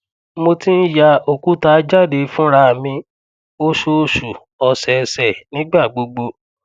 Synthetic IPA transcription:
mo˧ti˦n̩˦ja˧o˨ku˦ta˧d͡ʒa˦˨de˨˧fũ˦ɾa˧˨mĩ˧ | o˦ʃo˧˦˧ʃu˨ | ɔ˧sɛ˨˧sɛ˨nĩ˨˦ɡ͡ba˦˨ɡ͡bo˧ɡ͡bo˧

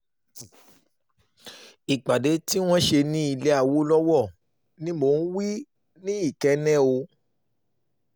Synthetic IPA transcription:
i˨k͡pa˨de˨˦ti˦w̃ɔ̃˦ʃe˧nĩ˦i˧le˦a˨wo˦lɔ˦wɔ˦˨ | nĩ˦mo˦˨n̩˦wi˦ | nĩ˦i˦˨kɛ˧nɛ̃˦o˧

